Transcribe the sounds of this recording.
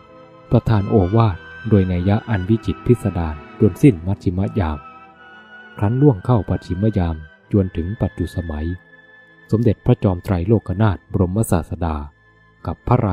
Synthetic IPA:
pɾa˧t̪ʰaː˧nʔoː˧waː˥˩t̪̚doː˧jnaː˧ja˦˥ʔa˧nwi˦˥t͡ɕi˨˩t̪̚pʰi˦˥t̪̚sa˧daː˧ndu˧ənsi˥˩nma˦˥t̪̚ʰi˧ma˦˥jaː˧m | kʰɾa˦˥nlu˥˩əŋkʰa˥˩wpa˨˩t̪ʰːi˨˧˦ma˦˥jaː˧m | t͡ɕu˧ənt̪ʰɯ˩˦ŋpa˨˩t̪̚t͡ɕu˨˩t̪̚sa˧ma˩˦j | so˩˦mde˨˩t̪̚pʰɾa˦˥t͡ɕɔː˧mt̪ɾa˧jloː˥˩k̚ʰːa˧naː˥˩t̪̚bɾo˧mːa˦˥sa̰ː˨˩t̪̚sa˧daː˧ | ka˨˩pʰːa˦˥ɾa˧

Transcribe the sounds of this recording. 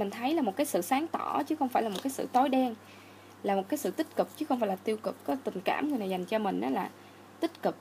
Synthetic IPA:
mï˨˩ŋ̟t̪ʰə˨˦jlaː˨˩mo˨˩t̚kaː˨˦jsɨ̰˧˨saː˨˦ŋt̪ɔ̰˧˩t͡ɕɨ˨˦xə˧wŋ͡mfaː˧˩jla˨mo˨˩t̚kaː˨˦jsɨ̰˧˨t̪ɔ˨˦jɗɛ˧n | laː˨˩mo˨˩t̚kaː˨˦jsɨ̰˧˨t̪ï˦˥t̚kɨ˨˩k̚t͡ɕɨ˨˦xə˧wŋ͡mfaː˧˩laː˨˩t̪i˧əwkɨ˨˩k̚kɔ˨˦t̪ï˨˩ŋ̟ka̰ː˧˩mŋ˨˩əjnaː˨˩jza˨˩jŋ̟t͡ɕɔ˧mï˨˩ŋ̟ʔa̰ː˨˦laː˨˩ | t̪ï˦˥t̚kɨ˨˩k̚

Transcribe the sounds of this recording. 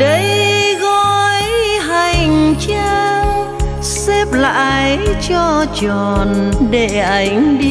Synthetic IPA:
ɗə˨˧˦jɣɔ˧jɦa˨˩jjŋt͡ɕa˧ | sɛ˦˥p̚la̰ː˧˨jt͡ɕɔ˧t͡ɕɔ˨˩nɗe˧˩ʔa˨˦jŋ̟ɗi˧

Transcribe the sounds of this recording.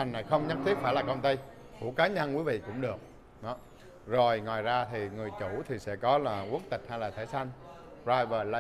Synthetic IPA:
a˨˩ŋna˨˩jxə˧wŋ͡mɲə˦˥t̪ʰi˦˥ək̚faː˧˩jlaː˨˩kə˧wŋ͡mt̪ə˧j | kṵ˧˩kaː˨˦ɲə˧nkwi˨˦vḭ˧˨kʊ̰˧˥ŋ͡mɗɨ˨˩ək̚ | ɗɔ˨˦ | zo˨˩jŋwaː˨˩jzaː˧t̪ʰi˨˩ŋɨ˨˩əjt͡ɕu˧˩t̪ʰi˨˩sɛ̰˧˥kɔ˨˦laː˨˩ʔu˨˦˥k̚t̪ï˨˩k̟̚ha˧jlaː˨˩t̪ʰe˧˩sa˧jŋ̟ | pzaː˧jvəː˨˩lə˧

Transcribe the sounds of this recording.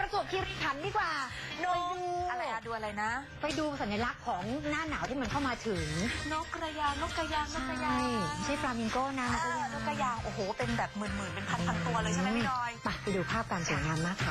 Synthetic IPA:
pɾa˧so˨˩p̚kʰiː˧ɾiː˦˧˩t̪ʰa˨˦ndɯː˧˥˩kwaː˨˩no˦˥u˧ʔa˧ɾa˧jʔa˧˩duː˧ʔa˧ɾa˧jna˦˥ | pa˧jduː˧sa˨˩˦nja˧la˦˥kʰːɔː˩˦ŋnaː˥˩naː˩˦wt̪ʰiː˥m˧˦nkʰa˥˩wmaː˧t̪ʰɯ˨˩˦ŋno˦˥kɾa˧jaː˧ŋno˦˥ka˧jaː˧ŋt͡ɕno˦a˥a˩˧˥ja˥˩˥jma˧˥˩jt͡ɕʰa˥˩pɾaː˧mi˧ŋkoː˥˩na˦˥˧no˦˥kɾa˧jaː˧ŋʔoː˨˩ɦoː˨˩˦pe˧nbɛː˨˩p̚mɯ˨˩nmɯː˨˩˦pe˧npʰa˧˩nʰa˨˧nt̪u˧ɐlɤː˧jʰa˦˧ma˦˥jnɔː˦˥jpa˧˩pa˧duː˧pʰaː˥˩p̚kaː˧nsu˨˩˦ŋaː˧mːaː˥˩kʰːa˦˧

